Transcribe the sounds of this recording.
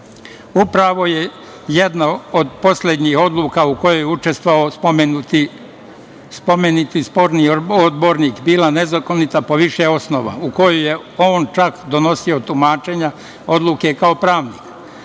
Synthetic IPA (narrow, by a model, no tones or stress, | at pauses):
upɾaʋo̞je | jed̪naod̪po̞slʲed̪ɲiho̞d̪lˠuːkauko̞jojeut͡ʃe̞st̪ʋaopomet̪i | spomenit̪ispo̞ɾniod̪bo̞ɾniːkbiːlanezako̞nit̪apo̞ʋiʃeo̞snoʋa̰uko̞jujeo̞ːnt͡ʃakd̪ono̞sio̞t̪umaːt͡ʃe̞ɲa | o̞d̪lˠuke̞kao̞pɾaːʋniːk